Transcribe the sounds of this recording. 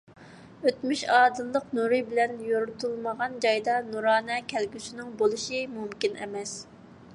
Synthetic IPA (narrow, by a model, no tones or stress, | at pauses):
øt̪myʃɑːd̪ɨllˠəqnuɾɨbɪlɛnjoɾʊt̪ulˠməʁɑnd͡ʒɑjd̪ɑnuɾɑːnɛkʲʰɛlɡʲysynɪŋbolˠuʃimumkʲinʔɛ̰mɛs